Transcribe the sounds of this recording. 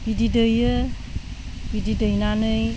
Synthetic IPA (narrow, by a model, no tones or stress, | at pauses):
bididɯjɯ | bididəjnanɯj